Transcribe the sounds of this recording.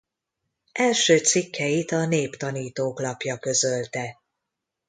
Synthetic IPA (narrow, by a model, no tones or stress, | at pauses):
ʔɛlʃøːt̪sikʰːɛjit̪ɒneːpt̪ɒniːt̪oːklɒpjɒkø̞zø̞lt̪ɛ